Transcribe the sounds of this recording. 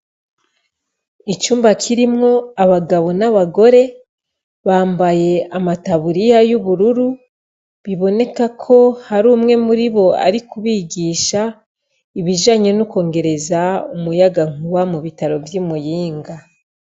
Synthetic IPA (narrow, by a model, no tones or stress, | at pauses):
it͡ʃuːmbakʰiɾimŋo̞aβaɡaβo̞naβaɡo̞ɾe̞ | βaːmbaje̞amataβuɾijajuβuɾuɾu | βiβo̞ne̞kakʰo̞haɾuːmŋe̞muɾiβo̞a̰ɾikuβiɡiːʃa | iβiʒaɲenuko̞ːŋɡe̞ɾe̞zaumujaɡaŋ̥uwamuβitaɾo̞vjimujiːŋɡa